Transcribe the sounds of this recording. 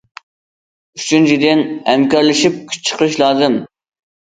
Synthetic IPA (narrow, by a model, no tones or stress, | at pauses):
yt͡ʃʰynt͡ʃʰid̪ɪnhɛmkʲɑɾlˠɪʃip̚kʲʰy̥t͡ʃʰːə̥qʰəɾɨʃlˠɑːzɨm